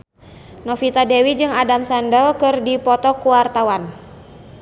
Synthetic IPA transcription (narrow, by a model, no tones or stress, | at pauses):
nɔfit̪adɛwid͡ʒɨŋadamsandəlkɨrdipɔt̪ɔkuwart̪awan